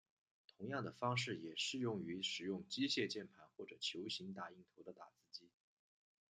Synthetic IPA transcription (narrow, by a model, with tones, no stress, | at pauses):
t̪ʰʊ˧˥ŋjɑ˥˩ŋd̪ə˩fɑ˥ŋʂɻ̩˥˩jɛ˨˩ʂɻ̩˥˧jʊ˥˩ŋy˧˥ʂɻ̩˨˩jʊ˥˩ŋt͡ɕi˥ɕjɛ˥˧t͡ɕjɛ˥˩npʰa˧˥nxwɔ˥˩ʈ͡ʂɤ˨˩t͡ɕʰjo˧˥ʊɕi˧˥ŋt̪a˨˩i˥˩ŋt̪ʰo˧˥ʊd̪ə˧t̪a˨˩t͡sɹ̩˥t͡ɕi˥